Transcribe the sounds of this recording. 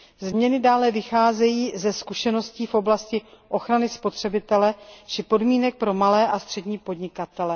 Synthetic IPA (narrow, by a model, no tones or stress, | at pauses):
zmɲɛnɪdaːlɛvɪxaːzɛjiːzɛskuʃɛno̞sciːfʔo̞blascɪʔo̞xɾanɪspo̞t̪r̝̥ɛbɪt̪ɛlɛt͡ʃɪpo̞dmiːnɛk̚pɾo̞malɛːʔast̪r̝̥ɛdɲiːpo̞dɲɪkat̪ɛlɛ